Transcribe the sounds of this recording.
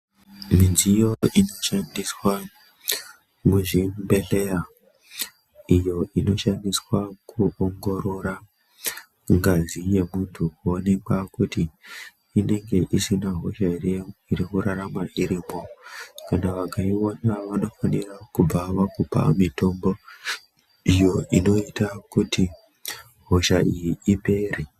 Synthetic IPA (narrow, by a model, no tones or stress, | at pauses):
minzijo̞ino̞ʃandiswa | muʐimbe̞ɬea | ijo̞ino̞ʃandiswakuoŋɡo̞ɾo̞ɾa | ŋɡazije̞muntʰukonekakutiː | ne̞ŋɡe̞ʔisinaɦo̞̰ʃaiirikuɾaɾamaiɾiːmo̞kanaʋakaionaʋano̞fanirakub͡vaʋakupa̰mito̞mbo̞ | ijo̞ino̞itakuti | ɦo̞ʃaijiipe̞re